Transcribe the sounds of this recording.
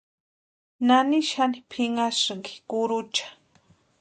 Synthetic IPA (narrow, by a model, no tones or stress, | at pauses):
naniʃanipʰɪŋasŋɡi̥kʊɾʊt͡ʃḁ